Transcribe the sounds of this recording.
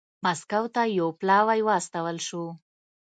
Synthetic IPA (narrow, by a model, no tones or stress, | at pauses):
maskawt̪ajowplɑwajwaːst̪awəlʃu